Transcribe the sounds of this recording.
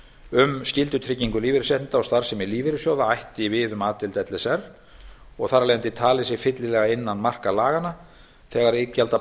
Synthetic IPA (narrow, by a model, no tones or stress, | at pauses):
ʏmscɪlt̪ʏt̪ʰɾɪcːiŋkʏliːvɪɾɪsɛh̪nt̪aɔst̪aɾ̥sɛmɪliːvɪɾɪsjowðaajht̪ɪvɪðʏmaːt̪ɪlt̪ɛt̪lɛsɛr | ɔɣθaralejnt̪ɪt̪ʰaːlɪsɪ̥fɪt̪lɪlɛːɣaɪnːanmar̥kalaːɣana | θɛːɣaɾecːalt̪a